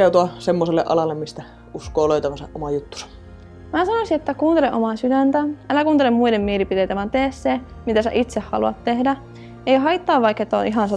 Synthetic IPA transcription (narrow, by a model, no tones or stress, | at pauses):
eut̪uɑsemːoselːḛʔɑ̰lɑlːemmist̪æ | uskoːloˑit̪ɑʋɑsɑ̰ʔʔomɑjut̪ːu̥sɑ̥ | mæːsɑnosiet̪ːækuːnt̪eleʔomɑsydænt̪æælækuːnt̪elemmuidemmielipit̪ejt̪æʋɑnt̪eːsse | mit̪æsæ̰ʔit̪sehhɑ̰luɑ̰t̪t̪ehdæ | eiɦɑijt̪ːɑːʋʋɑikːet̪ːo̰ʔiɦɑnsɑ